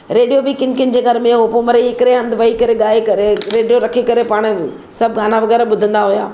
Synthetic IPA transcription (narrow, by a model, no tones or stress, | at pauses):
ɾeːɖijobɪkɪ̃nkɪ̃nɪ̆d͡ʑeɡʱɐɾmẽɦopomɐɾeɦɪkɪɾeɐ̃nd̪ʋɐikɐɾeɠaːekɐɾeɾeːɖijoɾɐkʰikɐɾepaːɽ̃ | sɐb̚ʱɡaːnaʋɐɣɛːɾaɓʊd̪ʱə̃nd̪aɦujaː